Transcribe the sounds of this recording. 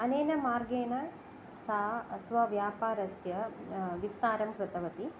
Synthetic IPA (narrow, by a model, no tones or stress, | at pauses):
ɐneːnɐmaːɾɡeːnɐ | sasʋɐʋjaːpaːɾɐsjɐʋist̪aːɾɐmpɾɐt̪ɐʋɐt̪i